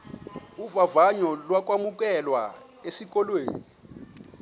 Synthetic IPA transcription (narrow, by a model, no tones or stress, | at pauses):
uvavaɲɔlwak̬ʼwamuk̬ʼɛlwa̰ | esik̬ʼɔlwḛːni